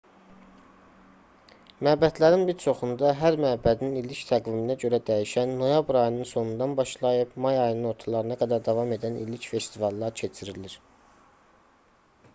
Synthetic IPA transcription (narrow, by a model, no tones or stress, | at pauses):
mæbæd̪læɾinbiɾt͡ʃʰo̞χund̪ɑɦæɾmæbæd̪ininilict̪ʰæɡviminæɟø̞ɾæd̪æjiʃænːo̞jɑbɾɑjɯnɯnso̞nund̪ɑnbɑʃlˠɑjɯpmɑjɑjɯnɯno̞ɾt̪ʰɑlˠɑɾɯnɑɡæd̪æɾd̪ɑvɑme̞d̪ænḭlicfe̞st̪ivɑlˠːɑɾcʰe̞t͡ʃʰiɾiliɾ̥